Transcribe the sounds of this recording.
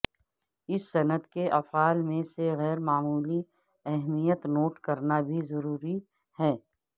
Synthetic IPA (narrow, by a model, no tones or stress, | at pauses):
ɪsːɐnəd̪keʔɐfaːlmẽseɣɛːɾmaːmuːli | ɛɦmijət̪noːʈkɐɾnabʱizɐɾuːɾi | hɛː